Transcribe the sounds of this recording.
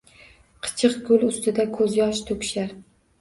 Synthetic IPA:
qʰɨ̥t͡ʃʰɨqɡʲʊlˠʊst̪ɪd̪akʰɵzjɒʃt̪ʰɵkʲʃaɾ

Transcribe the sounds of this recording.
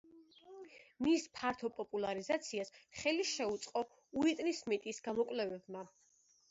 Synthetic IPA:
mispʰaɾt̪ʰɔpʼɔpʼulˠaɾizat̪sʰiasχɛliʃɛut̪sʼqʼɔ | uit̪ʼnismɛt̪ʼisɡamɔkʼlɛvɛbma

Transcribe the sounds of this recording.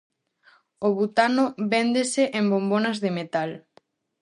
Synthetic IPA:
oβut̪anoβend̪eseʔembombonazðemet̪al

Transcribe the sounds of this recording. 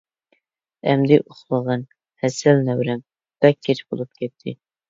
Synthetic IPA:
ɛmd̪ɪʔoχlˠəʁɑn | hɛsælnæwɾɛm | b̥ɛkʲʰːet͡ʃbo̰lˠup̚kʲʰɛt̪ʰːɪ̰

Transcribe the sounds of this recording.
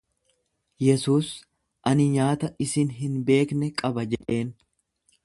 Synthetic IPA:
jɛsuːs | ʔɐnɪɲaːt̪ɐʔɪsɪnɦɪnbe̞ːknɛkʼɐbɐd͡ʒɛᶑe̞ːn

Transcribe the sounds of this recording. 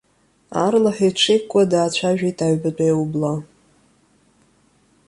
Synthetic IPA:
arlaħiʈ͡ʂʷʰejkʷʼadaːt͡ɕʷʰaʒᶣajtʰaɥbat͡pʷʼejwubla

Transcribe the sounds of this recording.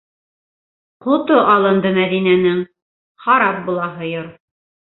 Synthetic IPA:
qot̪oʔɑlˠɤ̆nd̪ɤmæðinænɘŋ | hɑɾɑp̚bulˠɑɦɤ̆joɾ

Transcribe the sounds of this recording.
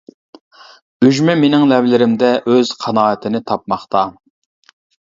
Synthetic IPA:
yʒmɛmenɪŋlɛvlɪɾɪmd̪ɛʔøz̥qʰɑnɑːət̪ʰɪnɪt̪ʰɑp̚mɑχt̪ɑ

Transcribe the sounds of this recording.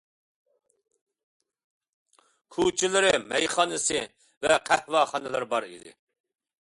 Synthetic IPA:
kʰut͡ʃʰilɪɾɪmɛjχɑːnɨsɨ | vɛqʰæhvɑːχɑnɨlˠɨɾbɑɾḭd̪ɪ̰

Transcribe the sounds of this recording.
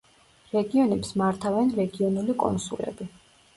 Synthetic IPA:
ɾɛɡiɔnɛpsmaɾt̪ʰavɛnɾɛɡiɔnulikʼɔ̰nsṵlɛ̰bi

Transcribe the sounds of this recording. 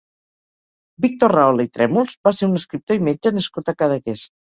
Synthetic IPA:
bik̚t̪orrawleit̪ɾɛmulˠzbaseɾunəskɾip̚t̪oimed͡ʒənəskut̪akaðəkes

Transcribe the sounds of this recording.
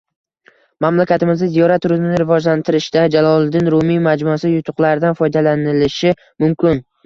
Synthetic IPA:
mamlakʲat̪ɪmɪznɪzijɒɾat̪ʰːʊɾɪzmɪnɪɾɪvɒd͡ʒlant̪ʰɪɾɪʃd̪ad͡ʒalˠɒlˠd̪ɪnɾʊmimad͡ʒmʊasɪjʊt̪ʰʊqlˠaɾɪd̪anfɒjd̪alanɪlɪʃɪ | mʊmkʲʰɪn

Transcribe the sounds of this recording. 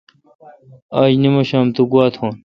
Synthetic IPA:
aːʑnimɐɕaːmt̪uɡuaːt̪ʰoːn

